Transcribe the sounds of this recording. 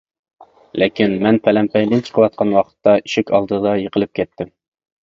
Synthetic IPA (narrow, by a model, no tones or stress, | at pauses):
lʔɪkʲinmɛnpʰælɛmpʰɛjlɪnt͡ʃʰə̥qʰəwɑt̪̚qʰɑnwɑqʰə̥t̪ːɑiʃɪkʲʰɑlˠd̪ɨd̪ɑjəqʰəlˠɨp̚kʲʰɛt̪ːɪm